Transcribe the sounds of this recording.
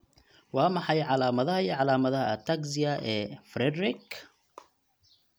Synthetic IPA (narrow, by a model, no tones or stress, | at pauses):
wɑːmɑħɑjʕɑlaːmɐðɐɦɐiʕɑlaːmɐðɐɦɐɐt̪ʰaɡsɪjɐʔɛːfɾɛd̪ɾɪk